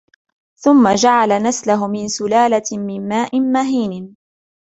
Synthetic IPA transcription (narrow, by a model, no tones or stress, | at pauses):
θʊmːad͡ʒaʕalanaslaɦʊmɪnsʊlaːlamɪnmaːʔɪnmaɦiːnɪ